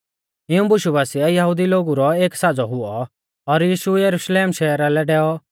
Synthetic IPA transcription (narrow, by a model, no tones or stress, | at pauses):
ɪũbʊʃubaːsiɛjɐɦud̪iloːɡuɾɔeːksad͡zɔɦʊɔ | ɔɾjiːʃujɐɾuʃleːmʃɛːɾalɛɖɛːɔ